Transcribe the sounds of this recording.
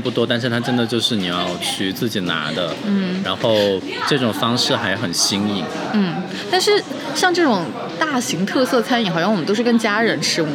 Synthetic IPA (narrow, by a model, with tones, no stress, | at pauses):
pu˥˩t̪wɔ˥t̪a˥˧nʂɻ̩˥˩t̪ʰa˥ʈ͡ʂə˥nd̪ə˨t͡ɕjo˥˧ʊʂɻ̩˥˩ni˨˩jɑ˥˧ʊt͡ɕʰy˥t͡sɹ̩˥˩t͡ɕi˨˩na̰˧˥d̪ə˧n̩˥˩ɻa˧˥nxo˥˩˧ʊ | ʈ͡ʂɤ˥˩ʈ͡ʂʊ˨˩ŋfɑ˥ŋʂɻ̩˥˩xa˧˥ɪxə˨˩nɕi˥ŋi˨˩ŋ | n̩˥˩ | t̪a˥˧nʂɻ̩˥˧ | ɕjɑ˥˧ŋʈ͡ʂɤ˥˩ʈ͡ʂʊ˨˩ŋ | t̪a˥˩ɕi˧˥ŋt̪ʰɤ˥˧sɤ˥˩t͡sʰa˥ni˧˩˥xjɑ˥wm˦t̪o˥ʊʂɻkə˥nt͡ɕja˥ɻə˧˥nʂʰɻ̩˥u˥˩